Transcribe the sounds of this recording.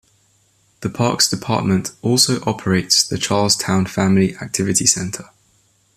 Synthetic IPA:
ðəpʰɑ̰ˑksd̥ɪpʰɑ̰ˑʔmə̃ntɔˑlˠsəʊʔɒpʰəɹeɪtsðət͡ʃʰɑːlˠz̥tʰãʊ̃nfãmliʔak̚tʰɪvɪtʰisɛ̃ntʰə

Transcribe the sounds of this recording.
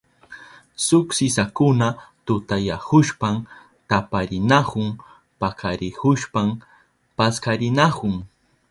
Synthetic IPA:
sʊksɪsakʊnat̪ʊt̪ajahʊʃpam | t̪apaɾɪnahʊŋ | pakʰaɾɪhʊʃpam | paskaɾɪnahʊŋ

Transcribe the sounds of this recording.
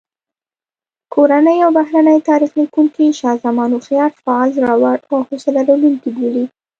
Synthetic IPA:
kʰoɾanəjawbahɾanəjt̪ɑɾixlikuŋkiʃɑzamɑnuxjɑɾfaːlzɾawaahosalaɾalulk̪iboli

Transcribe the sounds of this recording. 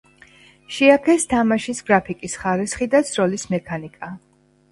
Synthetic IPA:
ʃiakʰɛst̪ʰamaʃisɡɾapʰikʼisχaɾisχid̪at̪sʰɾɔlismɛkʰanikʼa

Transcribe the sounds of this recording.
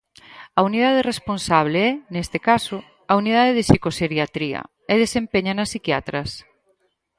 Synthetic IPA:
ɐuniðaðɪresponsaβleɛnest̪ekasʊ | ɐunið̞aðeðɪsikoseɾjat̪ɾiɐ̰ | ɛðesempeɲɐnɐsːikja̰t̪ɾɐs

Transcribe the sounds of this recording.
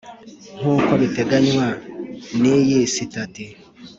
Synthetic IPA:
ŋ̥uːkoβiteɡaɲwanijisitati

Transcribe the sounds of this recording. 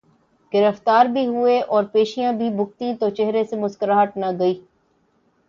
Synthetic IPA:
ɡɪɾəft̪aːɾbʱiɦʊeʔɔːɾpeːʃijãbʱibʱʊk̚t̪ĩt̪ot͡ʃɛɦɾesemʊskəɾaɦəʈnaɡɐiː

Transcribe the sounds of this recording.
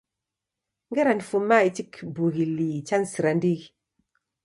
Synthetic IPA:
ŋɡeɾanfumːait͡ʃikbuɡilit͡ʃansiɾandiɡ

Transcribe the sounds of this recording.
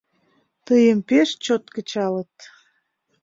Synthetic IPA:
t̪əjəmpeʃt͡ɕot̪kət͡ɕɑlət̪

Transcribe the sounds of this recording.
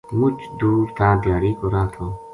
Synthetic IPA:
mʊt͡ʃd̪uːɾt̪ʰaːd̪jaːɾiːkɔɾaːt̪ʰo

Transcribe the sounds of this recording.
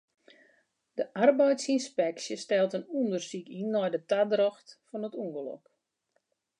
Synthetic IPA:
d̥əʔarbɛjtsinspɛksjəstɛlˠtənundərsikinːɔjdətadrɔxtfɔnətuŋɡəlɔ̰k

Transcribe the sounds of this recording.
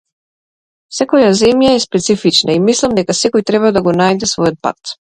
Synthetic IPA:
sɛkɔjazɛmjaɛspɛt̪sifit͡ʃnaimislˠamd̪ɛkasɛkɔjt̪ɾɛβad̪aɡɔnajd̪ɛsvɔjɔt̪̚pa̰t̪

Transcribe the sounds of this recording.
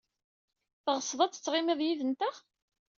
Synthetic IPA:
θəʁəsˤːðˤɑt͡sːə̥t͡sːʁɪmiðˤjiðənt̪æʁ

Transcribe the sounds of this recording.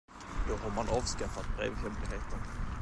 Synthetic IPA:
d̪̥ɔɦaɾmanɑːvskafat̪̚bɾḛːvhɛmplɪheːt̪ən

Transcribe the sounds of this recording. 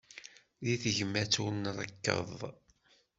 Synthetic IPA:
ðiθəʝmːæt͡sːunrˤə̰kːə̰ðˤ

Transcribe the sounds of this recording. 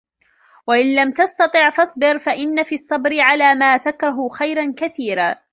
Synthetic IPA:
waʔɪnlamt̪ɑst̪ɑt̪ˤɨʕfɑsˤbɪɾfaʔɪnːafiːɑsˤːɑbɾɪʕalaːmaːt̪akɾˤɑɦʊxajɾankaθiːɾaː

